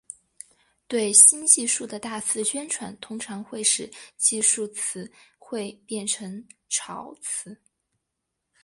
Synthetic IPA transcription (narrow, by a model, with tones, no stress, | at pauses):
t̪we˥˩ɪɕi˥nt͡ɕi˥˧ʂu˥˩d̪ə˩t̪a˥˩sɹ̩˥˩ɕɥɛ˥nʈ͡ʂʰwa˧˥nt̪ʰʊ˥ŋʈ͡ʂʰɑ˧˥ŋxwe˥˧ɪʂɻ̩˨˩˦t͡ɕi˥˧ʂu˥˩t͡s̩ʰ˧˥xwe˥˧ɪpjɛ˥˩nʈ͡ʂʰɤ˧˥ŋʈ͡ʂʰɑ˧˥ʊt͡s̩ʰ˧˥